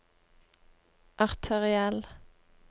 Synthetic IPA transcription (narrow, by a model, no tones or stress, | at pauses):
ʔɑʁt̪ʰəʁɪɛl